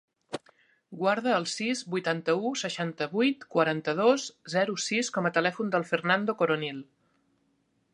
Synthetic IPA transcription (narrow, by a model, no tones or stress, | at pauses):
ɡwaɾðəːlˠsizbujt̪ant̪əusəʃant̪əβujt̪kwəɾant̪əð̞oszɛɾusiskɔmət̪əlɛfund̪əlˠfərnand̪okoɾonilˠ